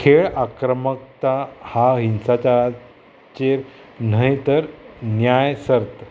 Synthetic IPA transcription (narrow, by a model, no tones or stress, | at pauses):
kʰeɭakɾəmək̚t̪ahaɦinsat͡ɕa | t͡ɕeɾn̤əɦjt̪əɾnjajsəɾt̪